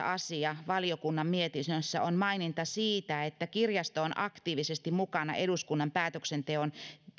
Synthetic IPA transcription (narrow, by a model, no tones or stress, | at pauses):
ɑsiɑʋɑliokunːɑmmiet̪isøsːæ̰onmɑinint̪ɑsiːt̪æet̪ːækirjɑst̪oonʔɑkt̪iːʋisest̪immukɑnɑ̰ʔeɾuskunːɑmpæːt̪øksent̪eon